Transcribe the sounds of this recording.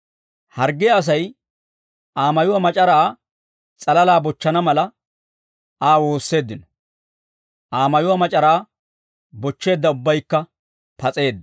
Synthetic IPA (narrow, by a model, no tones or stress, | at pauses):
hɐɾɡɛɐs̬ɐj | ʔaːmɐjʊwɐmɐt͡ʃʼɐɾaː | t͡sʼɐlɐlaːbɔt͡ʃːɐnɐmɐlɐ | ʔaːwo̞ːsːe̞ːd̪ːɪnɔ̥ | ʔaːmɐjʊwɐmɐt͡ʃʼɐɾaː | bɔt͡ʃːe̞ːd̪ːɐʊbːɐjkːɐ | pɐt͡sʼe̞ːd̪ːɐ